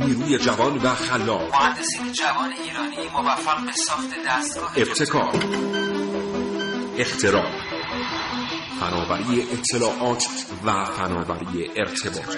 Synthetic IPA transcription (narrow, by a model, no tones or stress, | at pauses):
niːɾuːje̞d͡ʒævɒnvæxælːɒːmohænd̪ːe̞siːned͡ʒævɒːneiːɾɒːnimovæfːæʁbesɒːxt̪ʰed̪æst̪ɡɒːhe̞b̥̚t̪ʰe̞kʰɒːɾ | e̞xt̪ʰe̞ɾɒːɾ | fænɒːvæɾiːeʔet̪ʰːe̞lɒːʔɒːt̪ʰ | væfænɒːvæ̰ɾiːeʔeɾt̪ʰe̞bɒ̰ːt̪ʰ